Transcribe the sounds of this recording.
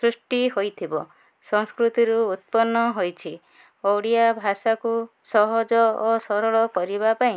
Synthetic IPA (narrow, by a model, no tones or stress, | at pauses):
sɾusʈiɦojt̪ʰibɔ | sɔŋskɾut̪iɾuːt̪̚pɔnːɔɦojt͡ʃʰi | owɽijabʱasaku | sɔɦɔd͡ʒɔːsɔɾɔɭɔkɔɾibapaĩ